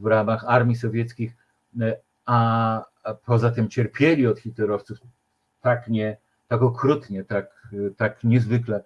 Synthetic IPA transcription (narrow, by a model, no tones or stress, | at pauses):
vɾamaxaɾmʲisɔvʲjɛt̪skʲix | a | pʰɔzat̪ɘmt͡ɕɛɾpʲjɛlʲiɔt̪xʲit̪lɛɾɔft̪suf | t̪akɲɛ | t̪akɔkɾut̪ɲɛt̪akt̪akɲɛzvɘklɛ